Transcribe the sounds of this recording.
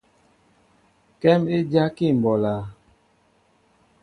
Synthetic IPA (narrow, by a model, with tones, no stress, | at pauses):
kɛ˦me˦d͡ʒa˦ki˦˨m˨bɔ˨la˨